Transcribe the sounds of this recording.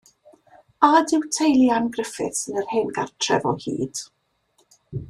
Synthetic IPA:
adɪwtʰejlˠjanɡrəfɪ̰θsɪnərheːnɡartʰrɛ̰vɔhḭːd̥

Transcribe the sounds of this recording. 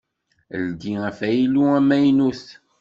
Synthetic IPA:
lɡ̪iæfæjiluæmæjnuθ

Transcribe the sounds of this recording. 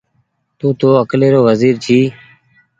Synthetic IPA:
t̪uːt̪oːəkleːɾoːʋəziːɾt͡ʃʰiː

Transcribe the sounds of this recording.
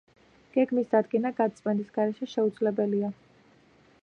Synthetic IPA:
ɡ̥ɛɡmisd̪ad̪ɡɛnaɡat̪sʼmʼɛnisɡ̥aɾɛʃɛʃɛud̪zlɛbɛlia

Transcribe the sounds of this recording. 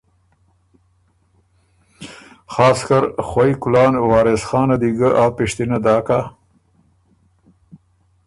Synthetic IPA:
xɑːskaɾxwajkʊlɑːnwɑːɾesxɑːnad̪iɡəʔaːpɪʂt̪inad̪ɑːka

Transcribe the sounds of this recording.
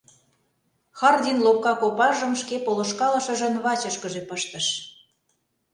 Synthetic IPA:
xɑrd̪ʲinlop̚kɑkopɑʒə̆mʃkepoloʃkɑlɤ̆ʃɤ̆ʒĕnβɑt͡ɕə̆ʃkəʒepəʃt̪ə̆ʃ

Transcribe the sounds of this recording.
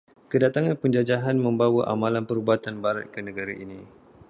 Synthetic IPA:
kədat̪aŋãnpəɲd͡ʒad͡ʒaɦanmə̃mbawaʔa̰mãlanpəɾubat̪anbaɾa̰t̪̚kənə̃ɡaɾaʔinĩ

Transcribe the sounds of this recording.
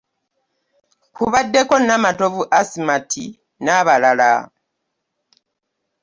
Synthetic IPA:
kuβadːe̞ko̞namato̞vuʔasimatʰi | naβalala̰

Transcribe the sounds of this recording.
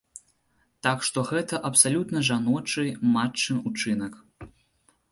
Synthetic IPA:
t̪akʂt̪ɔɣɛt̪ɐʔɐpsalʲut̪nɐʐanɔt͡ʂɨjmat͡ʂːɨnut͡ʂɨnɐk

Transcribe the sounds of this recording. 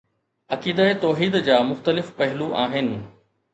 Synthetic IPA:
ɐkiːd̪aet̪ɔːɦiːd̪d͡ʑaːmʊxt̪əlɪfpɐɦɪluʔaːɦɪnɪ̆

